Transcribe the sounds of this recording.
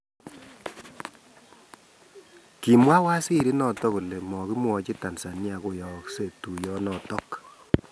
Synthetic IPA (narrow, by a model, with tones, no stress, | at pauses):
ki˨mwa˦wa˦si˦ɾi˦nɔ˨tɔ˦ku˨le˨mɔ˨ki˦mwɔ˨t͡ʃi˦ta˨nsa˨nja˨ko˦jɔ˨kse˦˨tu˨jɔ˦nɔ˨tɔ˦k